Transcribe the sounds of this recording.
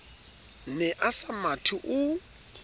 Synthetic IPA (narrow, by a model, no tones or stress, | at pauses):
nɛʔasamatʰʊʔʊ